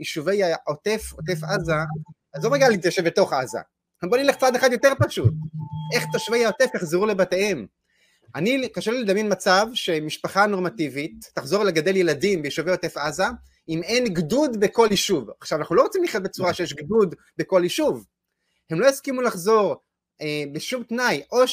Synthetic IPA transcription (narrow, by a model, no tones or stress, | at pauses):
iʃuve̞jaotefot̪e̞faza | azlomaɡalit̪jaʃevbe̞to̞χaza̰ | hembonileχt͡sad̪eχad̪jo̞te̞ʁpaʃut̪̚ʔe̞χt̪aʃuvejaot̪e̞fjaχzeʁule̞batehem | ʔanikaʃeliled̪amjenmat͡savʃe̞miʃpaχano̞ʁmativitːaχzo̞ʁle̞ɡad̪e̞lje̞ladimbeiʃuvejot̪efaza | ime̞nɡdud̪be̞ko̞liʃuvaχʃavanaχnulo̞ʁot͡simliχjat̚bet͡suʁaʃejeʃɡdud̪ | be̞ko̞liʃuv | he̞mlo̞jaskimulaχzo̞ʁ | ebeʃumtnajʔo̞ʃ